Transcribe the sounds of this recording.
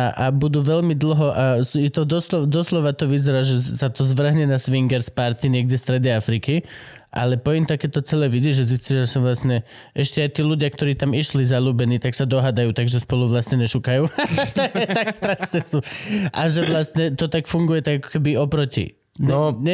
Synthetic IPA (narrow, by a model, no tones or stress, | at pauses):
aʔabud̪uːʋɛlmid̪l̩ɦɔʔasɛt̪ɔd̪ɔslɔd̪ɔslɔʋat̪ɔʋizɛɾaːʒɛsat̪ɔzʋr̩ɦɲɛnasʋiŋɡɛɾspaɾt̪iɲɪɛɡ̚ɟɛst̪ɾɛd̪ɛjafɾiki | ʔa̰lɛpɔimt̪akɛːt̪ɔt͡sɛlɛːʋid̪iʒɛs̬isciʒɛsaʋlast̪ɲɛ | ɛʃcɛajt̪iːluɟɪakt̪ɔɾiːt̪amiʃlizaluːbɛniːt̪aksad̪ɔɦad̪ajuːt̪aɡʒɛspɔluʋlast̪ɲɛɲɛʃukajuːt̪ɛt̪akst̪ɾaʃɲɛsuʔaʒɛʋlast̪ɲɛt̪ɔt̪akfuŋɡujɛt̪aɡakɔ̥kɛbiɔpɾɔcḭ | ɲnɔɛ